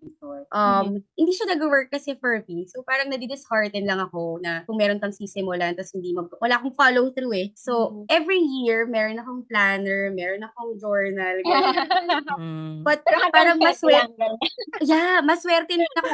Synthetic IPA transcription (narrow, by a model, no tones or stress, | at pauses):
ʔɐmhɪnd̪iːʃɐnɐɡɐwɜɹkːɐsɛfɛlɪpinsowpaːɾɐŋnɐd̪ɛd̪ɪshaɹt̪ɛd̪lɐŋɐko̞nɐkʊŋmɛːɾonk̪ɐŋsisɪmʊlant̪ɐshɪnd̪imɐɡ̚wʔɐlaːkoŋfaːlowθɾuːɛsoʔɛvɹijiɹmɛɾonɐkoŋplanɛɹmɛːɾonɐkoŋd͡ʒoɹnɐlɡa | bɐt̪̚ɐpaːɾɐŋmɐswɛɾt̪ɛjamɐswɛɾt̪ɛnnɐk